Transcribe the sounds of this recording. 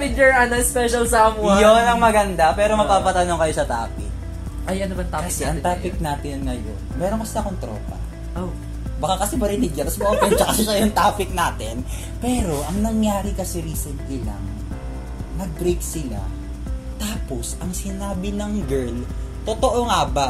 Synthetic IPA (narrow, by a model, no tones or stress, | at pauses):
pɪk̚jɛɹɐnɐspɛʃɐlsamwjonɐŋmɐɡɐnd̪apɛːɾo̞mɐpaːpɐt̪ɐnoŋkɐjo̞sɐt̪aːpɪk̚ | ʔɐjɐnobɐŋt̪aːkɐsɛʔɐŋt̪aːpɪk̚naːt̪ɪnŋɐjo̰nmɛːɾoŋkɐsɪlakont̪ɾoːpɐ̰ | ʔow | bɐkakɐsɛmɐɾɪnɪɡjɐt̪ɐsboʔɐkɛt͡ʃɐkasɛʃɐjʊŋt̪aːpɪk̚naːt̪ɪn | pɛːɾo̞ʔɐŋnɐŋjaːɾɪkɐsɛɾiːsɛnt̪lɪla̰ŋ | nɐɡ̚bɾejk̪̚sɪla̰ | t̪aːposʔɐŋsɪnaːbɪnɐŋɡɛɹlt̪ot̪oʔoŋaba